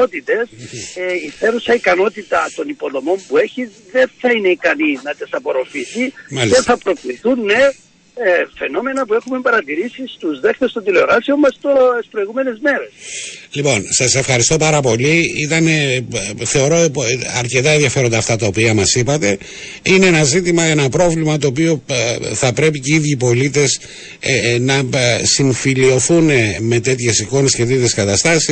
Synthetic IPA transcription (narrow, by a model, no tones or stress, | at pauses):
ot̪it̪e̞s | iθeɾusɐikɐno̞t̪it̪ɐt̪o̞nipo̞ðo̞mo̞mpue̞çiz | ðe̞nθɐine̞ikɐninɐt̪isɐpo̞ɾo̞fisimɐlienθɐpɾo̞kliθunːe̞ | fe̞no̞me̞nɐpue̞xumembɐɾɐt̪iɾisist̪uzðe̞xt̪est̪od̪ileoɾɐsiomːɐst̪ospɾo̞jɣume̞ne̞zme̞ɾe̞slipo̞nsɐse̞fxɐɾist̪o̞pɐɾɐpo̞liit̪ɐne̞θe̞o̞ɾo̞ɐɾce̞t̪ɐenðjɐfe̞ɾo̞nd̪ɐft̪ɐt̪ɐo̞piɐmɐsipɐt̪e̞ | ine̞enɐzit̪imɐe̞nɐpɾo̞vlimɐt̪o̞ːp̬io̞θɐpɾe̞p̬iceiðʝiːpo̞lit̪e̞s | nɐsiɱfilio̞θuneme̞t̪e̞t̪çe̞siko̞ne̞sce̞t̪et̪çeskɐt̪ɐst̪ɐsi